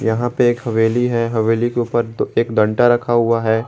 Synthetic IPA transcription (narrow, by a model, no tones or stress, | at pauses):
jɐɦãpeeːkɦɐʋeːliɦɛɦɐʋeːlikeuːpəɾeːkd̪ɐ̃ɳʈaɾɐkʰaɦʊaɦɛː